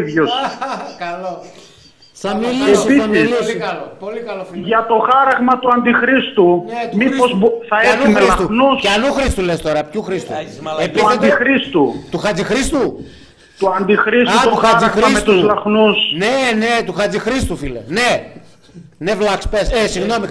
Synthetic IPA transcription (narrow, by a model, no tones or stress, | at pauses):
ðʝoskɐlo | ɐmileiɐmiislpolikɐlofʝɐt̪o̞xɐɾɐɣmɐt̪uɐnd̪ixɾist̪umipozbθɐenuumelɐst̪unusceɐnuxɾist̪ule̞st̪o̞ɾɐpcuxɾist̪ṵep̪isɐeixɾist̪ut̪uxɐd͡zixɾist̪u | t̪uɐnd̪ixɾisuuxɐaiɾismest̪uzlɐxnusnenet̪uxɐd͡zixɾist̪ufilḛne | nevlɐkspessiɣno̞mi